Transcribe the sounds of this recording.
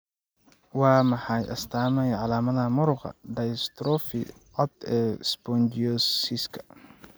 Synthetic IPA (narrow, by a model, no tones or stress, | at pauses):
wɑːmɑħɑjʔɐ̰st̪ʰaːmɛjʕɑlaːmɐðɐmʊɾʊqɑ̰ɖɐjst̪ɾɔfɪ | ʕɔd̪ɛːsbɔnd͡ʒiɔsiskʰɐ̥